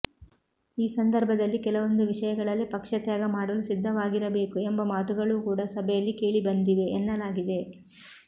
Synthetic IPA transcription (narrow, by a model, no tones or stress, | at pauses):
iːsɐnd̪ɐɾbʱɐd̪ɐlːikɛlɐʋo̞nd̪uʋiʂɐjɐɡɐɭɐlːipɐkʂɐt̪jaːɡɐmaːɽɐlusid̪ʱːɐʋaːɡiɾɐbe̞ːkuembɐmaːt̪uɡɐɭuːkuːɽɐsɐbʱɛjɐlːike̞ːɭibɐnd̪iʋe̞ɛnːɐlaːɡid̪e̞